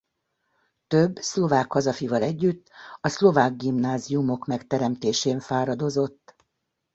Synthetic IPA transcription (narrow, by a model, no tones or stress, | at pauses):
t̪ø̞bːslo̞vaːkhɒzɒfivɒlɛɟːyt̪ːɒslo̞vaːɡːimnaːziumo̞kmɛkt̪ɛɾɛmt̪eːʃeːɱfaːɾɒd̪o̞zo̞t̪ː